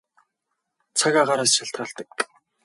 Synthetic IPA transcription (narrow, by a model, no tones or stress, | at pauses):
t͡sʰaɣaːɢaɾaːsʃaɬt̪ɢaːɬt̪ə̆k̚